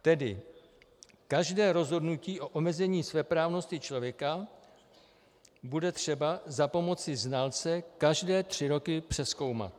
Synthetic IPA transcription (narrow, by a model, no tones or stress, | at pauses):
t̪ɛdɪ̰ | kaʒdɛːɾo̞zɦo̞dnuciːʔo̞ʔomɛzɛɲiːsvɛːpɾaːvno̞scɪt͡ʃlo̞vjɛka | budɛt̪r̝̥ɛbazapo̞mo̞t͡sɪznalt͡sɛkaʒdɛːt̪r̥ɪɾo̞kɪpr̝̥ɛsko̞wma̰t̪